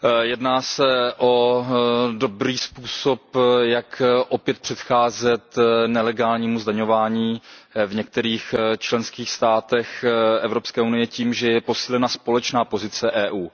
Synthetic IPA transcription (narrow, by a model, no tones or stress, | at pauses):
jɛdnaːsɛʔo | do̞bɾiːspuːso̞pjakʔopjɛt̪̚pr̝̥ɛt̪xaːzɛt̪nɛlɛɡaːlɲiːmuzdaɲo̞vaːɲiːvɲɛk̚t̪ɛɾiːxt͡ʃlɛnskiːxst̪aːt̪ɛxʔɛvɾopskɛːunɪjɛciːmʒɛjɛpo̞siːlɛnaspo̞lɛt͡ʃnaːpo̞zɪt͡sɛʔɛːʔuː